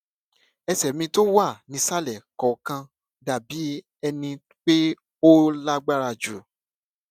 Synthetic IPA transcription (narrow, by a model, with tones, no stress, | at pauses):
ɛ˧sɛ˨mĩ˧to˦wa˦˨nĩ˧˦sa˦lɛ˨kɔ˨˦kã˧ | da˨bi˨˦ | ɛ˧nĩ˧ | k͡pe˦ | o˦la˦ɡ͡ba˦ɾa˧˨d͡ʒu˨